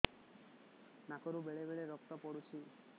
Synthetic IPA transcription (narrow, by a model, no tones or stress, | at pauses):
nakɔɾubeɭebeɭeɾɔkt̪ɔpɔɽut͡ʃʰi